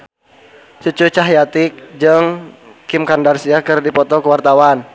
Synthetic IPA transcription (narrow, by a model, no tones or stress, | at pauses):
t͡ʃut͡ʃut͡ʃaɦjat̪ɪk̚d͡ʒɨŋkɪmkandarsiakɨrdipɔt̪ɔkəwart̪awan